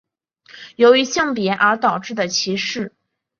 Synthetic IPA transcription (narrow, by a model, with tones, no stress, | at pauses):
jo˧˥ʊy˧˥ɕjɑ˥˩ŋp̬jɛ˧˥ʔə˞˧˥t̪ɑ˨˩ʊʈ͡ʂɻ̩˥˩d̪ə˩t͡ɕʰi˧˥ʂɻ̩˥˩